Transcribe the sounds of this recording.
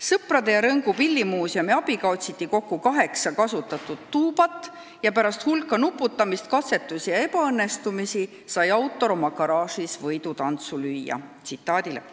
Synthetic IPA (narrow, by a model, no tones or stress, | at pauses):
sɤprɑd̪̥e̞jɑɾɤŋɡupilʲːimuːsjɑmiɑb̥ikɑot̪sit̪ːiko̞kːukɑɦe̞ksɑkɑsut̪ːˑɑt̪ːˑud̪̥t̪ːuːb̥ɑt̪ːˑ | jɑpæɾɑst̪hulkːˑɑnupːˑut̪ˑːɑmist̪̚kɑt̪se̞t̪ːˑusijɑe̞pɑɤnːe̞st̪umisi | sɑjɑwt̪ːˑo̞ɾo̞mɑkɑɾɑːʂisvɤjt̪ut̪ɑnt̪sulyjːɑ̰t̪sit̪ːˑɑːd̪̥ilḛ